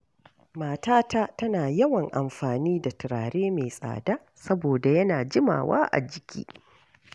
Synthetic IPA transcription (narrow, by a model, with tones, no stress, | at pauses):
maː˨taː˦ta˦tɐ˦naː˨jɐ˦wɐ˨ŋʔa˨mɸaː˨niː˦da˨tɪ˨ɾaː˨ɽeː˦meː˨sʼa̰ː˨daː˦ | sɐ˦boː˨da˨jɐ˦naː˨d͡ʒɪ˦ma̰ː˨wa̰ː˦ʔa̰˨d͡ʒɪ˨kʲʰḭː˦